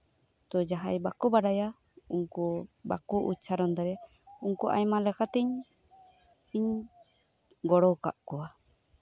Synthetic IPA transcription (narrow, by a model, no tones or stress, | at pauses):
t̪ɔd͡ʒaɦajbakubaɾaja | uŋkɔba̰kuʔut͡ʃʰaɾɔnd̪aɾa | uŋkuʔa̰jmalɛkat̪ɛɲ | iɲ | ɡɔɽɔwka̰ʔkɔwa